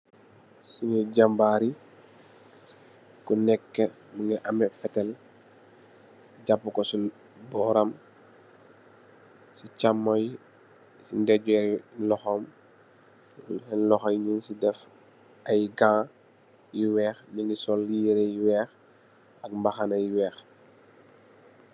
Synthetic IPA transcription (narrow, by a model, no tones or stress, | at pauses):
suŋiɟambaːɾi | kunɛkːə | məŋɡɐʔɐmɛfɛtɛl | ɟapːukɔsi | bɔːɾɐm | sit͡ʃamːɔj | sindɛɟuɛlɔxɔm | ɛnlɔxɐjɲinsidɛf | ɐjɡãː | jiwɛːxniŋɡisɔlːijiɾɛjwɛːx | ɐk̚mbɐxɐnɐjwɛːx